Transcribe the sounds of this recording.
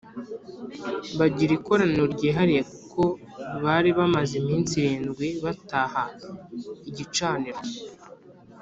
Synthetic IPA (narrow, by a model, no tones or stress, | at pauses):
βaɟiɾiko̞ɾaneɾɟiːɦaɾijekukʰo̞ | βaɾiβamazimiːnsiɾiːnzɡwiβataha | iɟit͡ʃaːniɾɡe